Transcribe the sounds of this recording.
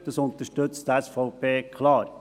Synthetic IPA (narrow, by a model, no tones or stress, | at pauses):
d̪̥ɑsʊnt̪əʃtɵt͡st̪ɛsfɔʊpʰeːkʰlɑːɾ